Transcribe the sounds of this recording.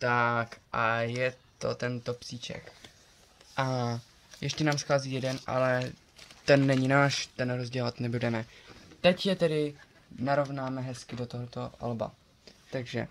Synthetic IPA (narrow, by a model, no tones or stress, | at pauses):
t̪akʔajɛt̪o̞̰t̪ɛnt̪o̞psiːt͡ʃɛ̰k | ʔa | jʔɛʃcɛnaːmsxaːziːjɛdɛnʔa̰lɛ | t̪ɛnːɛɲɪnaːʃt̪ɛnɾozɟɛloat̪nɛbudɛmɛt̪ɛcjɛt̪ɛdɪ | naɾo̞vnaːmɛɦɛskɪdot̪oɦt̪oʔa̰lba̰ | t̪aɡʒɛ̰